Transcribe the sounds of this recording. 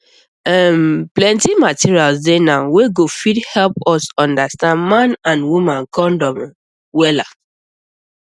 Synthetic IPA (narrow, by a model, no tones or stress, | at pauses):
ɛmplɛ̃ntimatiɹialsdenaweɡofidhɛlpɔsɔ̃ndastãndmãnãnwumãnkɔ̃ndɔ̃m | wɛla